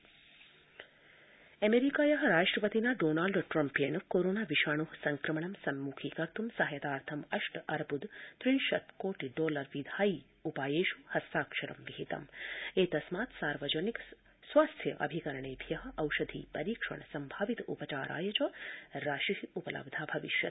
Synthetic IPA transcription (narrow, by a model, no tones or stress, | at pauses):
ɐmeɾikaːjɐɦɐɾaːʂʈɾɐpɐt̪inaːɖoːnaːlɖʈɾɐmpjenkoːɾoːnaːʋiʃaːɳuɦsɐŋkɾɐmɐɳɐmsɐmːuːkʰiːkɐɾt̪umsɐɦjɐt̪aːɾt̪ʰɐmɐʂʈɐɾbʱud̪t̪ɾinʃɐt̪koːʈiɖoːlɐɾʋid̪ʱaːji | upaːjeːʃuhɐst̪aːkʂɐɾɐ̰mʋiɦit̪ɐ̰meːt̪ɐsmaːt̪saːɾʋɐd͡ʒɐnik | sʋaːst̪ʰjɐʔɐ̰bʱikɐɾɐɳeːbʱjɐɦɐ̆ʔɐwʃɐd̪ʱḭːpɐɾiːkʂɐ̰ɳsɐmbʱaːʋit̪upɐt͡ʃaːɾa̰ːjɐt͡ʃɐɾaːʃiɦiupɐlɐ̰bd̪ʱaːbʱɐʋiʃjɐ̰t̪̚